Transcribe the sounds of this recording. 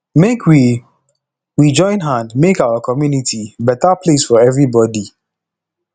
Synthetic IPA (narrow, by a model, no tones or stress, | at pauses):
mekʰwi | wid͡ʒɔ̃ɪ̃nɦãndmekaʊakʰɔmjunitʰibɛtaplesfɔɛvɹibɔdi